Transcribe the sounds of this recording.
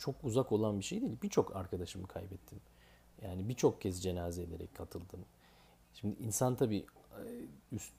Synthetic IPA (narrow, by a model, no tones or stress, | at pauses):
t͡ʃʰo̞kuzako̞lˠanbiʃejd̪iːlbit͡ʃʰo̞kʰa̰ɾkʰad̪aʃɯmɯkʰajbɛt̪ʰːim | jaːnibit͡ʃʰo̞k̚cʰɛzd͡ʒe̞naːzed̪e̞̰ɾɛ̰ckʰat̪ʰɯlˠd̪ɯm | ʃimd̪iʔinsant̪ʰabiː | ys